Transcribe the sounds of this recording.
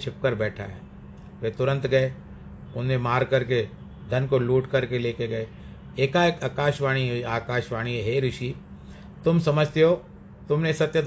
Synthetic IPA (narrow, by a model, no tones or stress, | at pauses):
t͡ʃʰɪp̚kəɾbɛːʈʰa̰ɦɛː | ʋet̪ʊɾə̃nt̪ɡɐe | ʊnẽmaːɾkɐɾke | d̪ʱɐnkoluːʈkɐɾkeleːkeɡɐe | eːkaeːkaːkaːʃʋaːɽ̃iɦeaːkaːʃʋaːɽ̃iɦeɦeːɾʊʃi | t̪ʊmsɐməd͡ʒʱt̪eɦoː | t̪ʊmnesɐt̪jəd̪